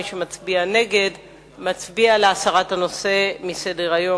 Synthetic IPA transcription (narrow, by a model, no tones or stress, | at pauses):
ʃemat͡sbiane̞ɡe̞d | mat͡sbialeasaʁathano̞se̞misedeʁajo̞